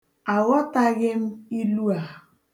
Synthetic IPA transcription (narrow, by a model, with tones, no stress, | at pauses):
a˨ɣɔ˦ta˦ɣɪ˦m̩˦i˦lu˦a˨